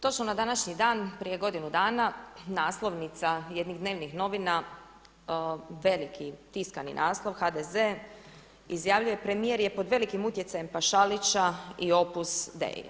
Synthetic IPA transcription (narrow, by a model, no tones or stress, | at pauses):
t̪o̞t͡ʃmonad̪anaʃɲid̪aːnpɾije̞ɡo̞d̪inud̪aːnanaːslˠo̞ʋnit̪saje̞d̪niɣd̪ne̞ːʋnixno̞ʋina | ʋe̞likʰit̪iskanḭnʔaːslˠo̞ʋxad̪eze | izjaːʋʎuje̞pɾe̞mije̞ɾje̞pod̪ʋe̞likimut̪je̞t̪sajempaʃalit͡ʃaio̞pusd̪ḛːj̰